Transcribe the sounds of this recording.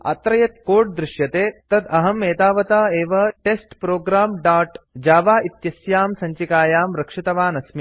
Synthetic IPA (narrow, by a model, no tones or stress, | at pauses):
a̰t̪ɾɐjɐt̪koːʈd̪ɾɪʃjɐt̪eːt̪ɐd̪ɐɦɐmeːt̪aːʋɐt̪aːeːʋɐʈesʈpɾoːɡɾaːmɖaːʈd͡ʒaːʋaːit̪jɐsjaːmsɐ̃ɲt͡ʃikaːjaːmɾɐkʂit̪ɐʋaːnɐsmi